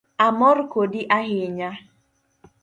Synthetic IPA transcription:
amɔɾkodiʔaɦɪɲa

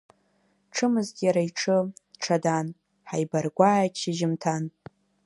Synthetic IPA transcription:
ʈ͡ʂʰɨmɨzʲjaɾaiʈ͡ʂʰɨʈ͡ʂʰadan | ħajbarɡʷaːjat͡ʃʰiʒɪmtʰan

